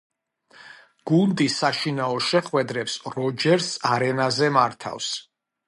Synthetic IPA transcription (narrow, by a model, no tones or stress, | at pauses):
ɡ̥und̪isaʃinaɔʃɛχwɛd̪ɾɛpsɾɔd͡ʒɛɾsaɾɛnazɛmaɾt̪ʰa̰fs